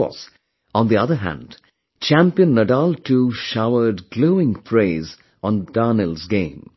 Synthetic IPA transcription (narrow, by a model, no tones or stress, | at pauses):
ɔ̰s | ɔ̃nd̪iʌðəɦæ̰̃nd | t͡ʃæ̃mpiə̃nːəɖaltʰuʃaʊə˞dɡloʊɪ̃ŋfɹeɪz | ɔ̃ndɑnəlˠzɡẽɪ̃m